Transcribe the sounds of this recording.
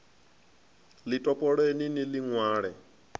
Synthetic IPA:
litʼɔpʼɔɺeniniliŋwaːɺɛ

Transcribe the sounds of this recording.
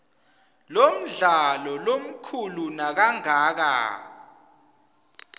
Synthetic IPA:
lom̩ɮalɔlom̩kʰulunak̬aŋaːk̬a̰

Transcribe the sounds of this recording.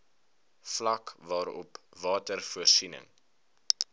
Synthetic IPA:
flɐkvɑːɾɔ̰pvɑːtərfuərsinə̰ŋ

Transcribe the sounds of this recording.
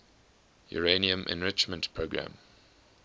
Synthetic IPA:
jɔ̰ɹeniə̃mʔɪ̰̃nɹɪt͡ʃmə̃ntpʰɹoɡɹã̰m

